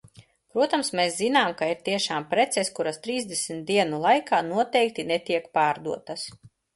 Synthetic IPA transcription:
pɾuɔt̪amsmeszinaːmkaiɾt̪iɛʃaːmpɾɛt̪sɛskuɾast̪ɾiːzd̪esmt̪̚d̪iɛnulˠajkaːnuɔt̪ɛjk̚t̪inɛt̪iɛkpaːɾd̪uɔt̪as

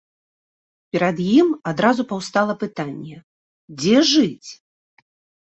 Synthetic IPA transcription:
pʲɛɾad̪jimad̪ɾazupɐwst̪alˠɐpɨt̪anʲːɛ | d͡zʲɛʐɨt͡sʲ

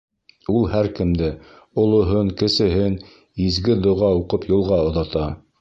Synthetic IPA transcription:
ulˠhæɾkɘ̆md̪ɘ | ŏlˠŏɦoɴkɘ̆sɘ̆ɦɘn | izɡɘd̪ŏʁɑuqɤpjŏlˠʁɑŏðɑt̪ɑ

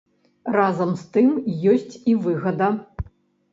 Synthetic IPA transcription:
razɐmst̪ɨmjɔsʲt͡sʲivɨɣɐd̪ɐ

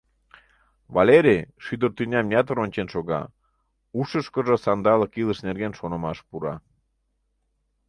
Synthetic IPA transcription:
βɑleɾeʃyd̪ərt̪ynʲɑmjʲɑt̪əɾonʲt͡ɕenʃoɣɑ̰ | uʃəʃkə̆ʒəsɑnd̪ɑləkiləʃnerɣenʃonəmɑʃpuɾɑ

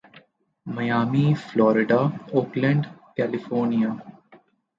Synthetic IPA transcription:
mɐjaːmiflɔːɾɪɖaːoːklɛ̃ɳɖkɛːlɪfoːɾnijaː

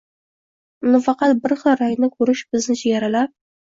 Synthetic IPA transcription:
nʊfɑqɑt̪bɪɾχɨɾajnɪkʲʰɵɾɪʃbɪznɪd͡ʒijaɾalap̚

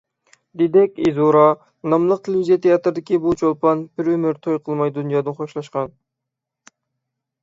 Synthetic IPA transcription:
d̪ed̪ɛkʲezuɾɑ | nɑmlˠəq̚t̪ʰelvizijɑt̪ʰejɑt̪ɾd̪ɪkʲibut͡ʃʰolˠpɑnbɪɾømyɾt̪ʰojqʰəlˠmɑjd̪unjɑːd̪ɨnχoʃlˠɑʃqɑn

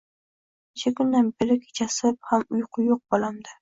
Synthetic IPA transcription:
ɪʃʰakʰʊnd̪anbɪɾɪkʲʰt͡ʃʰasɪphamʊjqʰʊjoq̚bɒlˠamd̪ɪ

